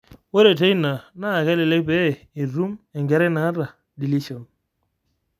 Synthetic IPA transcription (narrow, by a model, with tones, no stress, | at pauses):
we˦ɾe˨te˦i˦na˨na˦˨kɛ˦lɛ˨le˦k̚pɛ˦˨ | i˨ɾu˦mɛ˨ŋɡɛ˨ɾɛ˦na˨˦ɾa˨ | di˨li˦sɔ˨n